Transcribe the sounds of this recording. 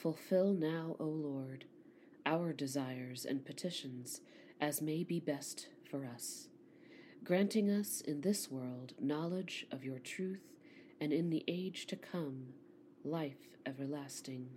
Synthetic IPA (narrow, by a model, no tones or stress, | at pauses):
fəlˠfɪlˠnaʊʔoʊlɔɹɾ | ʔaʊə˞dɨzaɪə˞zɨ̰̃npʰɨtʰɪʃɨ̃nz̥ | ʔɨzmeɪbibɛst | fə˞ʌs | ɡ̥ɹæ̃ntɪ̃ŋʌsɨ̰̃nðɪswɜ˞lˠdnɑlˠɪd͡ʒʔʌvjə˞tʰɹ̥ʉθ | ɨ̃nɨ̃nðiʔeɪd̥ʒ̥tʰɨkʰʌ̃m | laɪf | ʔɛvə˞læstɪ̃ŋ